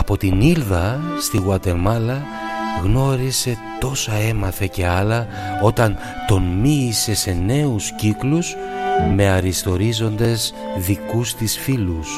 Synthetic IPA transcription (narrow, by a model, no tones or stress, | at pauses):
ɐpo̞t̪inilðɐst̪iɣwɐt̪e̞mɐlɐ | ɣno̞ɾise̞t̪o̞sɐe̞mɐθe̞ce̞ɐlɐ | o̞t̪ɐn | t̪o̞nmiːse̞se̞ne̞usciklus | me̞ɐɾist̪o̞ɾizo̞nd̪e̞z | ðikust̪isfilus